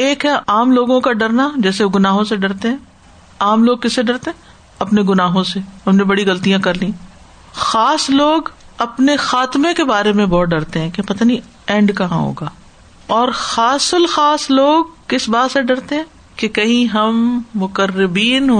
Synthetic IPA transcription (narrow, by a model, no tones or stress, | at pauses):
eːkɦɛʔaːmloːɡõkaɖɐɾnad͡ʒɛːseɡʊnaːɦõseɖɐɾt̪eɦɛ̃ | aːmloːɡ̚kɪsːeɖɐɾt̪eɦɛ̃ | ɐpneɡʊnaːɦõsehɐmnebɐɽiɣɐlt̪ijãkɐɾlĩː | xaːsloːɡ | ɐpnexaːt̪mẽkebaːɾemẽbɔːt̪̚ɖɐɾt̪eɦɛ̃ːkepɐt̪aːni | ɛ̃ːɳɖkɐɦã̰ɦo̰ːɡaː | ɔːɾxaːsʊlxaːsloːɡ̚kɪsbaːt̪seɖɐɾt̪eɦɛ̃ː | kekɐɦĩɦɐmːʊkəɾːɪbiːnɦo